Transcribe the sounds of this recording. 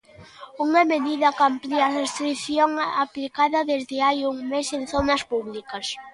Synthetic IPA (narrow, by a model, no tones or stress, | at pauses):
uŋameðiðɐkampliarest̪ɾiθjoŋaplikaðɐðezðɪajuŋmesenθonɐspuβlikɐs